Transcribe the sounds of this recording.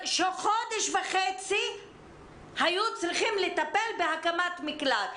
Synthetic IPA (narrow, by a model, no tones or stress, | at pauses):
ʃoχod̪eʃvaχet͡si | hajut͡sɾiχimlet̪ape̞lbehakamat̪miklat